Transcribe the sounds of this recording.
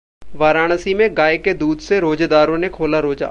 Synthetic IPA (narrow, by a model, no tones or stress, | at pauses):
ʋaːɾaːɽ̃əsimẽɡaːeked̪uːd̪seɾoːd͡ʒd̪aːɾõnekʰoːlaɾoːd͡ʒa̰ː